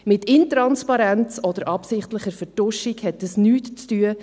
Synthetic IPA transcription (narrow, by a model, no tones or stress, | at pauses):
mɪtɪntɾɑnspɑɾɛnt͡sɔd̪əɾʔɑpsɪχtləχəfətʊʃikhɛtəsnyːtt͡styə